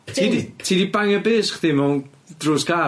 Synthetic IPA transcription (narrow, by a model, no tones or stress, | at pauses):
tʰiːditʰiːdibaŋəbeːsχðɪmɔn | d̥rʊːska